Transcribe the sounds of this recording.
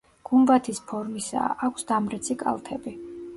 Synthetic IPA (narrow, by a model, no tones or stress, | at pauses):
ɡ̥umbat̪ʰispʰɔɾmisa̰ːkʷʰsd̪amɾɛt̪sʰikʼa̰lˠt̪ʰɛbi